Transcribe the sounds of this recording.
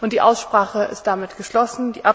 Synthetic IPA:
ʔʊntd̥iːʔaʊsʃpʁ̥aːχəɪ̰st̚d̥amɪtɡ̥əʃlɔsn̩diːʔa

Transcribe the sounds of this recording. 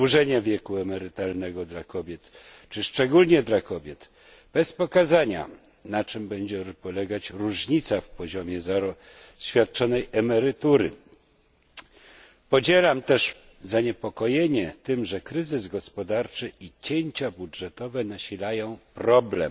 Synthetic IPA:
wuʐɛɲavʲjɛkuɛmɛɾɘt̪alnɛɡɔd̪lakɔbʲjɛt̪ | t͡ʂɘʂt͡ʂɛɡulɲɛd̪lakɔbʲjɛt̪ | b̥ɛspɔkazaɲa̰ | nat͡ʂɘmbɛɲd͡ʑɛpɔlɛɡat͡ɕɾuʐɲit̪safpɔʑɔmʲjɛz | ɕfʲjat̪̚t͡ʂɔnɛjʔɛmɛɾɘt̪uɾɘ̰ | pɔd͡ʑɛlamt̪ɛʂ | zaɲɛpɔkɔjeɲɛt̪ɘmʐɛkɾɘzɘzɡɔspɔd̪aɾt͡ʂɘʔit͡ɕeɲt͡ɕabudʐɛt̪ɔvɛn̪aɕilajɔ̃w̃pɾɔblɛm

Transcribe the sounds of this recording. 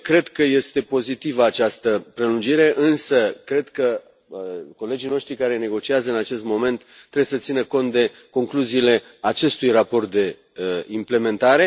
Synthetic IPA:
kɾe̞d̪kəje̞st̪e̞po̞zit̪ivəat͡ʃast̪əpɾe̞lund͡ʒiɾe̞ʔɨnsəkɾe̞d̪kə | ko̞le̞d͡ʒijno̞ʃt̪ɾikaɾe̞ne̞ɡo̞t͡ʃiazəɨnat͡ʃe̞st̪mo̞me̞nt̪ːɾebwjesət̪sinəko̞nt̪̚d̪e̞ | ko̞ŋkluziːle̞ | at͡ʃe̞st̪ujrapo̞rt̪̚d̪e̞ | imple̞me̞nt̪aɾe̞

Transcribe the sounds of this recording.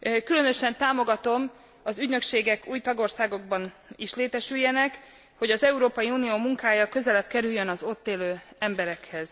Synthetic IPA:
kylø̞nø̞ʃɛnt̪aːmo̞ɡɒt̪o̞m | ɒzyɟnø̞kʃeːɡɛkuːjt̪ɒɡo̞rsaːɡo̞ɡ̚bɒniʃleːt̪ɛʃyjːɛnɛk | ho̞ɟɒzɛuɾoːpɒjiuːnijoːmuŋkaːjɒkø̞zɛlɛbkɛɾyjːønɒzo̞t̪ːeːløːɛmbɛɾɛkhɛz̥

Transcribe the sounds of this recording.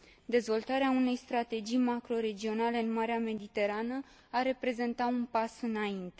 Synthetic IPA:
d̪e̞zvo̞lt̪aɾeaune̞jst̪ɾat̪e̞d͡ʒijmakɾo̞ɾe̞d͡ʒio̞nale̞ɨnmaɾeame̞d̪it̪e̞ɾanə | aɾe̞pɾe̞ze̞nt̪aunpasɨnaint̪e̞

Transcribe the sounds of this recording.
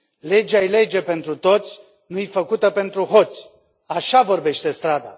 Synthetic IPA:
le̞d͡ʒajle̞d͡ʒe̞pe̞nt̪ɾut̪o̞t̪sʲ | nujfəkut̪əpe̞nt̪ɾuɦo̞t̪sʲ | aʃavo̞rbe̞ʃt̪e̞st̪ɾad̪a̰

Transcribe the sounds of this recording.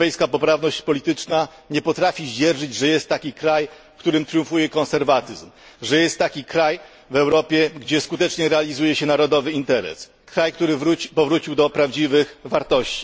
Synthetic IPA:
ɛjskapɔpɾavnɔɕt͡ɕpɔlʲit̪ɘt͡ʂna | ɲɛpɔt̪ɾafʲiʑɛɾʐɘd͡ʑʐɛjɛst̪ːakʲikɾaj | fkt̪uɾɘmt̪ɾjũfujɛkɔ̃nsɛɾvat̪ɘzmʐɛjɛst̪ːakʲikɾaj | vɛwɾɔpʲjɛɡd͡ʑɛskut̪ɛt͡ʂɲɛɾɛalʲizujɛɕɛnaɾɔd̪ɔvɘint̪ɛɾɛ̰s | kɾajk̚t̪uɾɘvɾupɔvɾut͡ɕiwd̪ɔpɾavd͡ʑivɘxvaɾt̪ɔɕt͡ɕi̥

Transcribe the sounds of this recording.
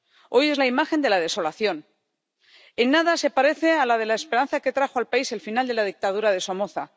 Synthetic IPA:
o̞je̞zlaimaxe̞nd̪e̞lað̞e̞so̞laθjo̞n | enːaðase̞paɾe̞θe̞alaðe̞laespe̞ɾan̟θake̞t̪ɾaxoalpaise̞lfinald̪e̞lað̞ik̚t̪aðuɾaðe̞so̞moθa

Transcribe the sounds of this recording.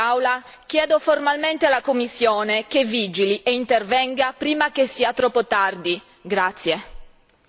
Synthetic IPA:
awla | k̟jɛːd̪oformalment̪ealakomːisːjoːnekevːid͡ʒiliʔeint̪ervɛŋɡapɾiːmak̟esːiːat̪ɾɔpːot̪ard̪i | ɡɾat̪sːje

